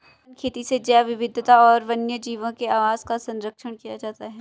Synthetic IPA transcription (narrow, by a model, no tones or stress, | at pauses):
kʰeːt̪ised͡ʒaːʋɪʋɪd̪ʱːt̪aɔːɾʋɐnjəd͡ʒiːʋə̃nkeaːʋaːzkasɐ̃nɾəkʃəɽ̃kijad͡ʒaːt̪aɦɛː